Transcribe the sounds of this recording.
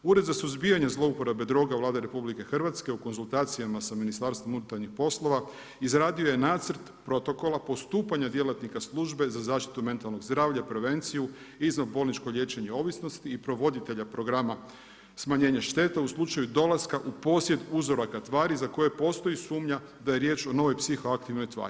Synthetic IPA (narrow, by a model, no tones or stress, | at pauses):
uɾe̞d̪zasuzbijaɲazlˠo̞upoɾabe̞d̪ɾo̞ːɡavlˠaːd̪eɾe̞publike̞xr̩ʋat̪ske̞uko̞nzulˠt̪aːt̪sijamasaminist̪aːɾst̪ʋo̞munut̪aɾnixpo̞slˠo̞ʋa | izɾaːd̪io̞je̞naːt̪sərt̪pɾo̞t̪o̞ko̞lapo̞st̪uːpaɲad̪je̞lat̪nikaslˠuʒbe̞zazaːʃt̪i̥t̪ume̞nt̪alˠno̞ɡzd̪ɾaːʋʎapɾe̞ʋe̞nt̪siju | iznavbo̞lnit͡ʃkoʎʲje̞ːt͡ʃe̞ɲeo̞ʋisno̞st̪iːpɾo̞ʋo̞d̪it̪e̞ʎapɾoɡɾama | smaɲe̞ːɲaʃt̪e̞t̪auslˠut͡ʃajud̪o̞laskaʔupo̞sje̞d̪uzo̞ɾakat̪ʋaːɾizako̞je̞po̞ːst̪o̞isuːmɲa | d̪ajeɾje̞ːt͡ʃo̞no̞ʋo̞jpsixo̞akt̪iʋno̞jt̪ʋa̰ːɾi